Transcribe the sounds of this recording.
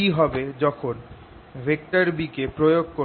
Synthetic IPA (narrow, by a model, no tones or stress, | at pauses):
iɦɔbed͡ʑɔkʰon | bʱek̚ʈaɾbikepɾojoɡ̚ko